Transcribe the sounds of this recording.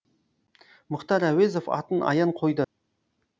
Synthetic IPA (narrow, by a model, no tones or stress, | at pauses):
mʊqt̪ɑɾæwezofɑ̰t̪ənʔɑ̰jɑɴqʰo̞jd̪ə